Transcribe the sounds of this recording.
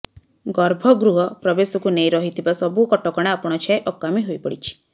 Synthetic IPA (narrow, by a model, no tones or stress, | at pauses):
ɡɔɾbʱɔɡɾuɦɔpɾɔbesɔkunejɾɔɦit̪ʰibasɔbukɔʈɔkɔɽ̃aapɔɽ̃ɔt͡ʃʰaeʔɔkːamiɦojpɔɽit͡ʃʰi̥